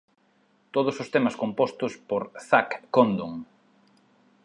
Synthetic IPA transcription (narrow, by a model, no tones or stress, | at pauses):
t̪oðʊsost̪emɐskompɔst̪ʊspoɾθakːond̪oŋ